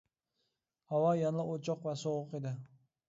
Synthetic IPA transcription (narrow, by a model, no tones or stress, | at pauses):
hɑwɒjanlˠɪot͡ʃʰɒqvasoʁʊqed̪ɪ